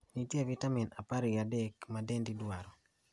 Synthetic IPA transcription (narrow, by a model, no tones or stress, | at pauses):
nitjevitaminapaɾijadɛkmadɛndidwaɾɔ